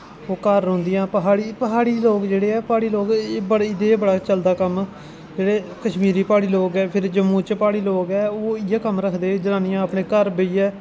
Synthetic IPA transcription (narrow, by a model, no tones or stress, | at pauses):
oːkəɾːõːnd̪ɪjãːpəɦaːɽiːpəɦaːɽiːloːɡd͡ʒeːɽeːɛːpaːɽiːloːɡeːbəɽɪd̪eːbəɽaːt͡ʃəld̪aːkəm | d͡ʒeːɽeːkəʃmiːɾiːpaːɽiːloːɡɛːpʰɪɾd͡ʒəmːũːt͡ʃpaːɽiːloːɡɛːoːɪjãːkəmɾəkʰd̪eːd͡ʒənãːnijãːəpɳeːkəɾbeiːɛː